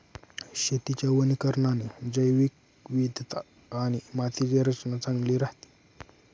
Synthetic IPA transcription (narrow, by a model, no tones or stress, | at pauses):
ɕet̪it͡ɕjaʋənikəɾɳaned͡zəjʋik̚ | ʋid̪jət̪ | añimat̪ʰid͡ʑjaɾət͡snat͡saŋɡliːɾaht̪i̥